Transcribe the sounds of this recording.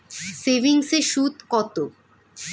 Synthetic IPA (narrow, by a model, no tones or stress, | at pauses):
seʋiŋseʃud̪ʱkɔt̪o